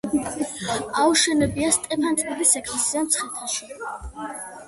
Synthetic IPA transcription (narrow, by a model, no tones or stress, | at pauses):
auʃɛnɛbiast̪ʼɛpʰant̪ʼibisɛkʰmsiamt̪sʰχɛt̪ʰaʃɔ